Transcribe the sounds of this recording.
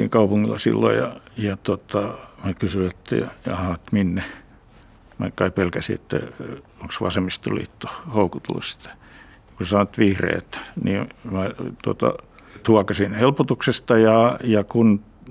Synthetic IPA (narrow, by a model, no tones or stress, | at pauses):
iŋkɑupuŋːilːɑ̰sḭlːo̰jɑ̰jɑt̪ot̪ɑmækysyet̪ːæ̰jɑ̰jɑhɑt̪minːe | mæ̰kɑipelkæsḭḛt̪ːæ̰oŋksʋɑ̰semist̪o̰lḭːt̪ːo̥houkut̪lṵst̪æ̥ | kussɑnoet̪ʋihrḛːt̪niːmæt̪uot̪ɑ̰ | t̪uɑkɑsinhelpot̪uksest̪ɑjɑjɑkun